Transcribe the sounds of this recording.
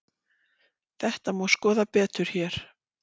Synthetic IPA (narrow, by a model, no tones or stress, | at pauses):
θɛht̪amuːwskɔːðapɛːt̪ʏɾ̥çɛɾ̥